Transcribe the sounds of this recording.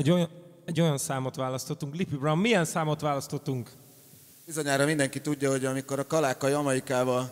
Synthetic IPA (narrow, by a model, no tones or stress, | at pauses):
ɛɟojɛɟːo̞jɒnsaːmo̞t̪ʋaːlɒst̪o̞t̪ːuŋklipybrɒmːijɛnsaːmo̞t̪ʋaːlɒst̪o̞t̪ːuŋk | bizo̞ɲaːɾɒmind̪ɛŋkit̪uɟːɒɦo̞ɟɒmiko̞ɾɒkɒlaːkɒjɒmɛɾikaːvɒl